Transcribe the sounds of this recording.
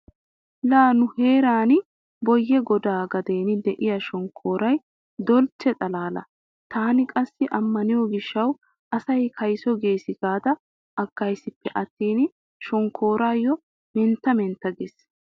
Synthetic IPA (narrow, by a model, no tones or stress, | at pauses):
laːnʊhe̞ːɾaːnɪ | bɔjːɛɡɔd̪aːɡɐd̪e̞ːnɪd̪ɛʔɪjɐʃɔŋkʰo̞ːɾɐj | d̪ɔlt͡ʃːɛt̪ʼɐlaːlɐ̰ | t̪ʰaːnɪkʼɐsːɪʔɐmːɐnɪjɔɡɪʃːɐw | ʔɐsɐjkʰɐjsɔɡe̞ːsɪɡaːd̪ɐ | ʔɐkːɐjsɪpːɛʔɐt̪ːiːnɪ | ʃɔŋkʰːo̞ːɾaːjːɔ | mɛnt̪ːɐmɛnt̪ːɐɡes